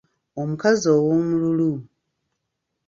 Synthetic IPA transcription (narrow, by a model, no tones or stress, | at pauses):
omukazowomululu